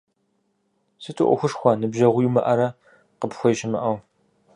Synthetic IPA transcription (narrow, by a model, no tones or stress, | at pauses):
sɨtʰɨʔʷʊ̰xʷʊʂxʷɐnɨbʒɐʁʷʊjumɐʔɐɾɐ | qəpxʷɔjɪʃɪmɨʔɐw